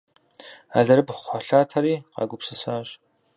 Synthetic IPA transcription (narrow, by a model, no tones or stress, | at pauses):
a̰ɮɐɾɨpχʷɔɬaːtʰɐɾiːqɑ̰ːɡʷʊpsɨsaːɕ